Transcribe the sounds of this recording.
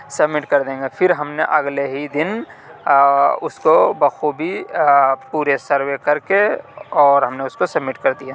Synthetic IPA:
sɐbmɪʈkɐɾd̪ẽːŋɡepʰɪɾɦɐmneʔɐɡleɦid̪ɪn | ʊskobɐxʰubʱi | puːɾesɐɾwekɐɾkeɔːɾɦɐmneʊskosɐbmɪʈkɐɾd̪ija

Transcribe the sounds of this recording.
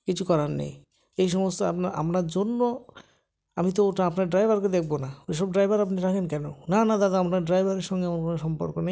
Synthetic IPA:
kit͡ɕʰukɔɾanːḛj | ejʃ̬ɔmost̪oa̰pnaʔa̰mnaɾd͡ʑonːo | amit̪̬ooʈaapnaɾɖɾajbʱaɾked̪ek̚ʰbonaeʃɔb̚ɖɾajbʱaɾapniɾakʰenkɛnonanad̪ad̪aapnaɾɖɾajbʱaɾeɾʃɔŋɡeamonkonoʃɔmpo̰ɾkonej

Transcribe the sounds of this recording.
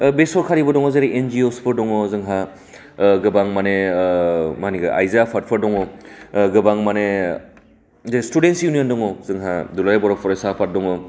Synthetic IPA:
besɔɾkʰaɾibɔdɔŋɔzeɾiʔend͡ʒiospʰɯɾdɔŋɔzɯŋɦa | ɡɯbaŋmane | maniɡɯʔa̰jzapʰat̚pʰɯɾdɔŋɔɡɯbaŋmane | zeɾestudensjuniɔndɔŋɔzɯŋɦadulajbɔɾɔpʰɔɾesapʰat̚dɔŋɔ

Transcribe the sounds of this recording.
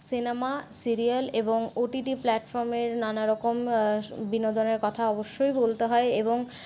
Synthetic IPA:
sinemasiɾialeboŋoʈiʈiplɛʈfɔɾmeɾnanaɾɔkombinod̪oneɾkɔt̪ʰaɔboʃːojbolt̪eɦɔeeboŋ

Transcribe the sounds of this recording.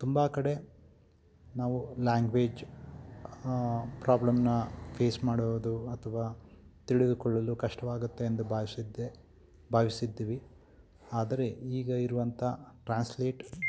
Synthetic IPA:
t̪umbaːkɐɽe̞ | naːʋulaːŋɡʋeːd͡ʒ | pɾaːblɐmnɐpʰe̞ːsmaːɽoʋɐd̪uɐt̪ʰɐʋaːt̪iɽid̪ukɔɭːɐlukɐʂʈɐʋaːɡut̪ːe̞ːnd̪ubaːsid̪e | bʱaːʋisid̪ːiːʋi | aːd̪ɐɾe̞iːɡɐiɾuʋɐnt̪ʰɐʈɾaːnsleːʈ

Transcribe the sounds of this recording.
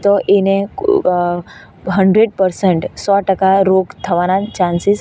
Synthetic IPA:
t̪oʔene | ɦəɳɖɾeɖpəɾsəɳʈsɔʈəkaɾoɡt̪ʰəʋanat͡ʃãnsis

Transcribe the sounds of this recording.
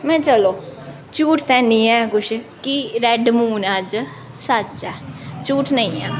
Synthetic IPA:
mɛ̃ːt͡ʃəloː | t͡ʃuːʈt̪ɛːnĩːɛːkʊt͡ʃʰ | kiɾɛɖmuːnəd͡ʒ | sət͡ʃɛːt͡ʃuːʈnəĩːɛː

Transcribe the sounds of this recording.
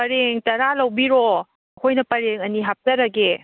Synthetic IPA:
pɐɾeŋtɐɾalɐwbiɾɔ | ɐkʰojnɐpɐɾeŋɐniɦap̚tɐɾɐɡe

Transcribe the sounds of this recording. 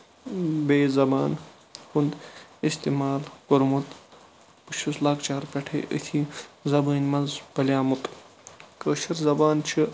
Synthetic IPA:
beːzɐbaːn | xund̪ist̪imaːlɡoɾmut̪ | pɨʃʰuslaːkt͡ʃaːɾpʲeʈʰḛʔə̰t̪ʰizɐbɐːnʲmɐnzbɐlʲjaːmut̪ | kəːʃɐɾzɐbaːnt͡ʃʰi

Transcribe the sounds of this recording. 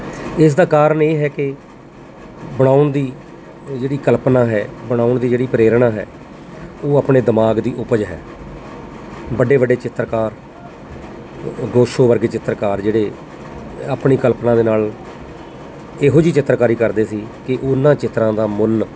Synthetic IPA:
ɪs̬d̪aːkaːɾəɳeːɦɛːkɪ | bəɽ̃aːʊɳd̪iː | d͡ʒeːɽiːkəlpnãːɦɛːbəɽ̃aːʊɳd̪iːd͡ʒeːɽiːpɾeːɾɳaːɦɛ̰ː | oːaːpɳeːd̪əmaːɡd̪iːʔʊpəd͡ʒɦɛ̰ː | bəɖeːʋəɖeːt͡ʃɪt̪ːɾkaːɾ | ɡoːʃoːʋəɾɡeːt͡ʃɪt̪ːɾkaːɾd͡ʒeːɽeː | aːpɳiːkəlpnãːd̪eːnaːl | ɪɦoːd͡ʒiːt͡ʃɪt̪ːɾkaːɾiːkəɾd̪eːsiːkɪʔʊnãːt͡ʃɪt̪ɾãːd̪aːmʊn

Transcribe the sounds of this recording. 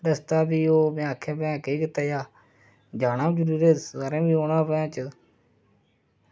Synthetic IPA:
ɗəst̪aːbiːoːmẽːaːkʰẽːpjãːkeːkɪt̪aːjaː | d͡ʒaːnãːbd͡ʒəɾuːɾeːsaːɾẽːbiːoːnaːpəãːt͡ʃə

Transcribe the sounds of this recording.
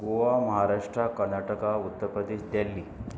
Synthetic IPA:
ɡoʋaməɦaɾaʂʈɾakəɾnaʈəkaut̪ːəɾpəd̪eɕd̪jalːi

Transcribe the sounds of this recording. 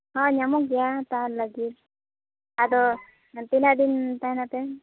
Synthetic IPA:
ɦɔ̃ɲamɔɡijat̪aɾlaɡit̪̚ | ad̪ɔ | t̪inad̪int̪ajnat̪ɛ

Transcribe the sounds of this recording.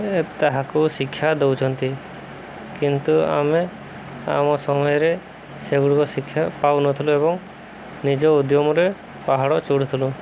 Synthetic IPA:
ɛt̪ːaɦakusikʰːjad̪ɔwt͡ʃʰɔnt̪i | kint̪ua̰me | a̰mɔsɔmɔjɔɾɛ | seɡuɽukɔsikʰːjaʔpawnɔt̪ʰuluebɔŋ | nid͡ʒɔud̪jɔmɔɾɛ | paɦaɽɔʔt͡ʃuɽut̪ʰulu

